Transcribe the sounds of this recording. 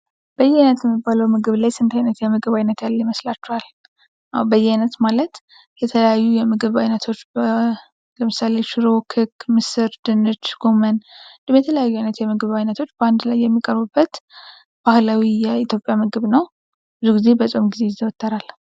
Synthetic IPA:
b̥əjːɛajnət̪jɛmːibːaləwmɨɡɨβlajsɨnt̪ʰajnət̪jɛmɨɡɨβajnət̪jalːjiməslat͡ʃːɛhal | ʔabəjːɛajnət̪malət̪ | jɛt̪ʰələjajːujɛmɨɡɨβajnət̪ʰo̞t͡ʃːbə | ləmɨsale̞ʃɪɾo̞kʰɨkːmɨsɨɾd̪̥ɨnːɨt͡ʃɡ̥o̞mənd̪ɨmjɛt̪ʰələjajːuajnət̪jɛmɨɡɨβajnət̪ʰo̞t͡ʃːbəand̪lajːɛmːikʼəɾbɨbːət̪ | b̥ahlawijɛit̪ʰjo̞pʼːjamɨɡɨβnəw | b̥ɨzuɡize̞bəsʼomɡize̞jzəwɔt̪ʰʼːəɾal

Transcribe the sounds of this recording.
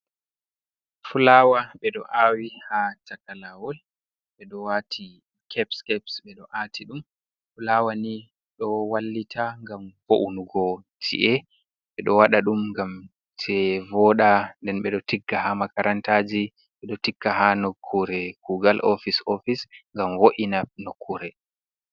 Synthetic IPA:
fulawaɓɛɗɔ̰ʔawihatakalawɔl | ɓɛɗɔwatʰi | kʰɛpskɛpsɓɛɗɔʔaːtiɗum | fulawani | ɗɔwalːitʰaŋɡamkoʔunuɡɔtʰḭʔɛ | ɓɛɗɔwaɗaɗumŋɡam | tʰɛvɔɗandɛnɓɛɗɔtiɡːahamakaɾʔantad͡ʒi | ɓɛɗɔtikːahanokʰːuɾɛkuɡalʔofisofisŋɡamwoʔinanokʰːuɾɛ

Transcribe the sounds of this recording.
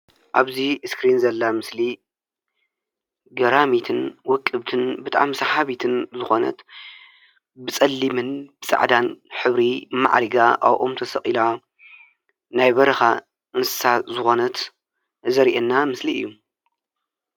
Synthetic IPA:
ʔaβziskɾinzɐlːamɨsli | ɡɐɾamit̪ʰɨnwɔkʼːɨβt̪ʰɨnbɨt̪ʼa̰ʕmsaħaβit̪ʰɨnzɨxo̞nɐ̰t̪ | bɨt͡sʼɐlːimɨnb̥ɨsʼɨ̰ʕd̪anħɨβɾima̰ʕɾiɡaʔa̰wʔomt̪ʰɐsɐχʼila | najbɐɾɐxa | ʔɨnsɨ̥sazɨxo̞nɐt̪ | zɐɾiʔenːamɨsliɨ̰jːu

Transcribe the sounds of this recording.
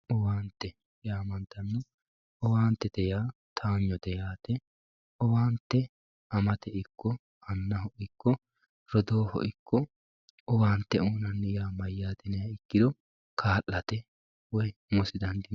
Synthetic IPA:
ɔwaːnt̪ːɛ | jaːmɐnt̪ɐnːʊ | ɔwaːnt̪ːɛt̪ɛjaːt̪ʰaːɲːɔd̪ɛjaːt̪ɛ | ɔwaːnt̪ːɛ | ɐmɐt̪ɛɪkʰːɔ | ɐnːɐhɔʔɪkːɔ | ɾɔd̪oːhɔ̰ʔɪkːɔ | ɔwaːnt̪ːɛuːnɐnːɛjaːmɐjːaːt̪ɛnɛjɐɪkːɪd̪ɔ | kʰaːlːɐt̪ɛ | wɔjmɔsɪd̪ɐnd̪ɪ

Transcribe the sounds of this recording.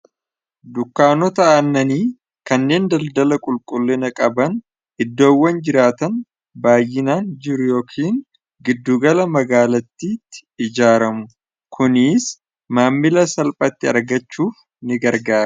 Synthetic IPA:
d̪ʊkːaːnɔt̪ɐʔɐnːɐniː | kɐnːe̞ːnd̪ɐld̪ɐlɐkʼʊlkʼʊlːɪnɐkʼɐbɐn | ʔɪd̪ːo̞ːwːɐnd͡ʒɪɾaːt̪ɐn | baːjːɪnaːnd͡ʒɪɾʊjo̞ːkʰiːŋ | ɡɪd̪ːuːɡɐlɐmɐɡaːlɐt̪ːiːt̪ːɪ̥ɪd͡ʒaːɾɐmʊ | kʊniːs | maːmːɪlɐsɐlpʼɐt̪ːɪɐ̰ɾɡɐt͡ʃːuːf | nɪɡɐɾɡaːɐ

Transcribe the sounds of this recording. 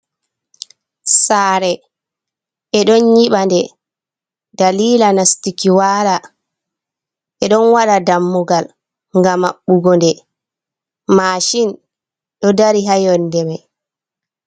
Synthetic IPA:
saːɾɛ | ʔɛɗɔnjiɓandɛ | daliːlanastikiwaːɾa | ʔɛɗɔnwaɗadamːuɡal | ŋɡamːaɓːuɡɔndɛ | maʃin | ɗɔdaɾiɦajɔndɛmaj

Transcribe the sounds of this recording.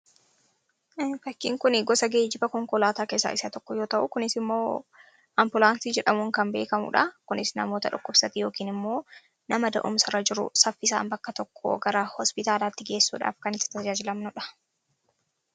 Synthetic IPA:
fɐkːiːŋkʊnɪɡɔsɐɡeːd͡ʒɪbɐkɔŋkɔlaːt̪aːkeːsːa̰ːʔɪsɐt̪ɔkːɔjoːt̪ɐʔʊkʊnɪsɪmːo̞ː | ʔɐmbʊlaːnsid͡ʒɛᶑɐmʊŋkɐmbe̞̰ːkɐmʊ̰ᶑɐkʊnɪsnɐmo̞ːt̪ɐᶑʊkːʊbsɐt̪ijo̞ːkiːnɪmːo̞ː | nɐmɐd̪ɐʔʊ̰msɐɾɐd͡ʒɪɾʊ̰sɐfːɪsa̰ːmbɐkːɐt̪ɔkːɔ̰ɡɐɾɐhɔspɪt̪aːlaːt̪ːɪɡe̞ːsːṵːᶑa̰ːfkɐnɪɪ̥t̪ɐd͡ʒaːd͡ʒɪlɐmnʊᶑɐ̥

